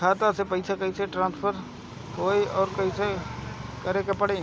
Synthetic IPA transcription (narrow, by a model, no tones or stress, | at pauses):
aːt̪asepɐɪsakɐɦĩseʈɾãːnspʰəɾ | ɦoːeɔːɾkɐɦĩse | kɐɾekepəɽeː